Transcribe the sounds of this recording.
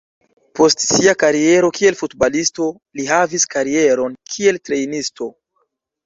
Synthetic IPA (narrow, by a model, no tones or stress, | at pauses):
po̞stsiakaɾie̞ɾo̞kie̞lfutbalisto̞ | liɦaviskaɾie̞ɾo̞nkʰie̞ltɾe̞jnisto̞